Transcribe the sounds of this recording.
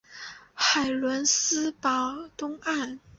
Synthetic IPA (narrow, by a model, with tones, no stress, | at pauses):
xa˨˩ɪlwə˧˥nsɹ̩˥pɑ˨˥ʊt̪ʊ˥ŋa˥˩n